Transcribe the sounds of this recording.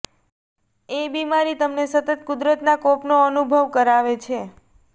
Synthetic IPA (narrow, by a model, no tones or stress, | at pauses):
ebimaɾit̪əmnesət̪ət̪̚kʊd̪ɾət̪nakɔpnoənubʱəʋkəɾaʋet͡ʃʰe